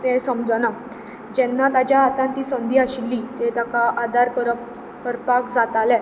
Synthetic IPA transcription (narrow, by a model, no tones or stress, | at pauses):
t̪ɛ̃səmd͡zəna | d͡ʑɛnːat̪ad͡ʑjaɦat̪ãnt̪iːsənd̪ʱiːaɕilːit̪et̪akaʔad̪aɾkəɾ | kəɾpakd͡zat̪alɛ